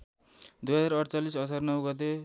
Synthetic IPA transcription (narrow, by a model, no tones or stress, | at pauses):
d̪ujɦʌd͡zaɾʌɽt͡salisʌt͡sʰarnʌwɡʌt̪̬e